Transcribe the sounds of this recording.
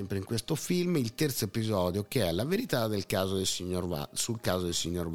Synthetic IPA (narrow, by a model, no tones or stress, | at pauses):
ɛmpɾeiŋkwest̪ofilmilt̪ɛrt̪soepizɔːd̪jokeɛlːaveɾit̪ad̪ːelkaːzod̪esiɲːoɾva̰sulkaːzod̪elsiɲːorv